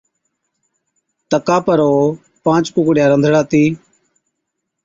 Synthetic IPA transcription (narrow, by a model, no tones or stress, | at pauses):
t̪əkaːpəɾoː | pãːt͡ʃkʊkɽɪjaːɾənd̪ʱɽaːt̪iː